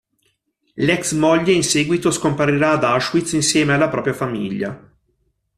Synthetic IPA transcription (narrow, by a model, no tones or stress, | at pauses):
lɛksmoʎːeinseːɡwit̪oskompaɾiɾaːd̪aʃwit̪sinsjɛːmealːapɾɔːpɾjafamḭʎːa̰